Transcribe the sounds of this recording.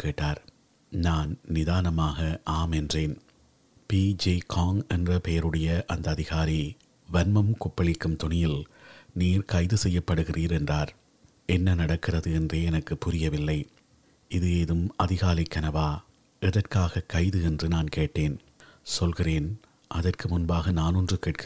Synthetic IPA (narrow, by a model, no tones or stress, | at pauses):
keːʈːaːɾ | naːnnɪðaːnɐmaːɣɐʔaːmɛndreːn | piːd͡ʒiːkʰaːŋɛndrɐpɛjɐɾɯɽɐjɐʔɐnd̪ɐːðɪɣaːɾi | ʋɐnmɐmkʊpːɐɭɪkːɯmt̪ʊnɪjɪlniːɾkɐɪðɯsɛjːɐpːɐɽɯɣɪriːɾɛndraːɾ | ʔɛnːɐnɐɽɐkːɪrɐðɯɛndreːɛnɐkːɯpːʊɾɪjɐʋɪlːɐɪ | ʔɪðɯeːðɯmʔɐðɪɣaːlɐɪkːɐnɐʋaː | ɛðɐrkaːɣɐkːɐɪðɯɛndrɯnaːnkeːʈːeːn | sɔlɣɪreːn | ʔɐðɐrkɯmʊnbaːɣɐnaːnɔndrɯkɛʈ̚kʰɯ